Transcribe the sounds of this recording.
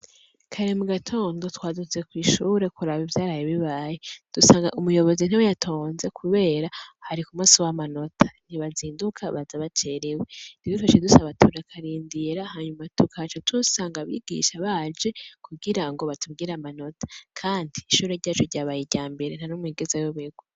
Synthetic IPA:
kʰaɾemuɡatʰo̞ːndo̞twaːdut͡sekwiːʃuːɾe̞kuɾaβivjaːɾajeβiβaːjed̥usaːŋɡa̰ʔumujo̞βo̞zin̥hiwejatʰo̞ːnze̞kʰuβe̞ːɾahaɾikumusiwamano̞tʰḁniβaziːndukʰaβazaβat͡ʃe̞ɾewe̞diβifaʃedusaβatʰuɾakʰaɾiːndiɾahaɲumatukʰat͡ʃatusaːŋɡaβḭːɡḭʃaβad͡ʒe̞kʰuɡiɾaŋɡo̞βatʰub̚ɡiɾamano̞tʰḁkʰaːndiːʃuːɾeɾɟaːt͡ʃoɾɟaːβajiɾɟaːmbe̞ɾen̥anomwiːɡezajoβeɡwo

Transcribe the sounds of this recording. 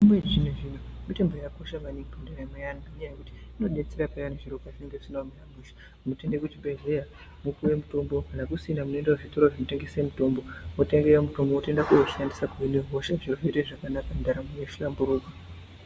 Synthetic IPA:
imwed͡ʒineʐinomite̞mbojako̞ʃamaniŋɡipandeɾamejanaɲajekuti̥ino̞ɗet͡seɾapajaniʐiɾokaʐineŋɡeʐisinomeramuʃḁ | muteŋɡekutibeɮeja | mukuwe̞muto̞mbo̞kanakusiinamunoendeweʐito̞ɾoʐinote̞ŋɡesemuto̞mbo̞mote̞ŋɡeemuto̞mboote̞ndakuzoʃandisakuineɦoʃaʐiroʐiteʐakanakandaɾamejeʃiʃambuɾuːka

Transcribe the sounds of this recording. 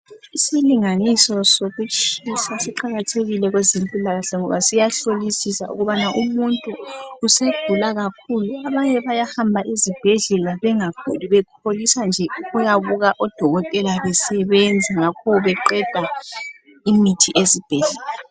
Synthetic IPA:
isiliŋanisɔsoɣut͡ʃʼisasiǃaɣatʰeɣilɛɣwezempʼilaɣaɬɛŋɔβasijaɬolisisa̰ʔṵɣuβanaʔumuntʼuːsed̥ʱulaɣakʰuluaβaɲɛβajahambʱaʔizib̥ʱɛɮɛlaβɛŋakʰuliβɛkʰolisand͡ʒʱɛɣujaβuɣaʔɔd̥ʱɔɣɔtʼɛlaβɛsɛβɛnd͡zʱaŋakʰɔuβɛǃɛd̥ʱa | imitʰiʔezib̥ʱɛɮɛla

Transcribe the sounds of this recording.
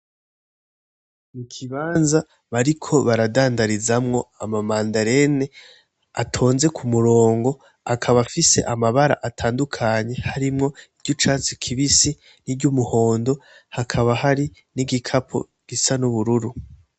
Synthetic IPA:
mukʰiβaːnza | βaɾikʰo̞βaɾadaːndaɾizamŋo̞amamaːndaɾe̞ne | atʰo̞ːnze̞kʰumuɾo̞ːŋɡo̞ | akʰaβafise̞̰ʔamaβaɾa̰ʔatʰaːndukʰaɲe̞haɾimŋo̞iɾɟot͡ʃaːt͡sikʰiβisi | niɟumuho̞ːndo̞ | hakʰaβaɦaɾiniɡikʰapʰo̰ | ɡ̥isanuβuɾuɾu

